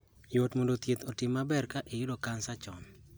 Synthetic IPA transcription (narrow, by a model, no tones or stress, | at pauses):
jotmondot̪jet̪ɔtɪmːabɛrkaʔejʊdokansat͡ʃɔn